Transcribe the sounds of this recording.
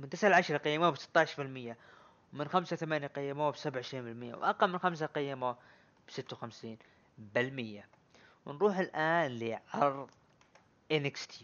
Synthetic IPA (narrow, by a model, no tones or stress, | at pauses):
mɪnt̪ɪsʕaʕaʃɾˤɑqɪjːɪmawbsɪ̥t̪ːɑʕɪʃɾfɪlmɪjːa | wmɪnxamsawθamaːnjaqɪjːɪmawbsabʕɪʃɾiːnbɪlmɪjːa̰wʔɑqɑlmɪnxams̬aqɪjːɪma | b̥sɪt̪ːawxamsiːn | bɪlmɪjːa | wɪnɾuːħɪlʔaːnliʕɑɾˤðˤ | ʔɪnɪkst̪ʰi